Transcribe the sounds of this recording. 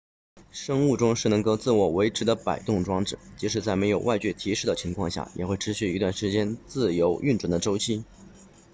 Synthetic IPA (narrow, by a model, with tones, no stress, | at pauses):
ʂɤ˥ŋu˥˩ʈ͡ʂʊ˥ŋʂɻ̩˥˩nɤ˧˥ŋko˥˧ʊt͡sɹ̩˥˩wɔ˨˩we˧˥ɪʈ͡ʂʰɻ̩˧˥d̪ə˧pa˨˩ɪt̪ʊ˥˩ŋʈ͡ʂwɑ˥ŋʈ͡ʂɻ̩˨˩˦t͡ɕi˧˥ʂɻ̩˧˩t͡sa˥˩me˧˥ɪjo˨˩ʊwa˥ɪt͡ɕɥɛ˥˩t̪ʰi˧˥ʂɻ̩˥d̪ə˩t͡ɕʰi˧˥ŋkʰwɑ˥˧ŋɕja̰˥˩jɛ̰˨˩xwe˥˩ɪʈ͡ʂʰɻ̩˧˥ɕy˥˩i˧˥t̪wa˥˩nʂɻ̩˧˥t͡ɕjɛ˥nt͡sɹ̩˥˩jo˧˥ʊʔy˥˧nʈ͡ʂwnd̪ə˦ʈ͡ʂo˥ʊt͡ɕʰi˥˩